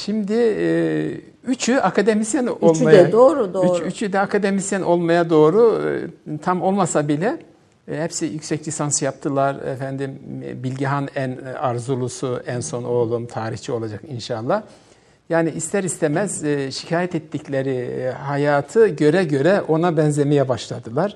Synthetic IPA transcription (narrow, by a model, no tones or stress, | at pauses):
ʃimd̪ɪ | yt͡ʃʰyakʰad̪e̞misjænolˠmajɛd̪oːɾuot͡ʃyt͡ʃʰyd̪ɛakʰad̪emisjænʔo̞lˠmajad̪o̞ːɾu | t̪ʰamo̞lˠmasabilʲɛ | hɛpsijycsɛclʲisansjap̚t̪ʰɯlˠaɾɛ̰fænd̪imbilʲɟiɦanænaɾzulˠusuænso̞no̞lˠumt̪ʰaːɾiht͡ʃʰio̞lˠad͡ʒakinʃalˠːah | jaːniːst̪ʰæɾist̪ʰemɛz̥ʃi̥cʰaːjɛt̪ɛt̪ːiclʲeɾihajaːt̪ʰɯɟø̞ɾɛɟø̞ɾɛʔo̞nabɛnzʲe̞mejɛbaʃlˠad̪ɯlˠaɾ̥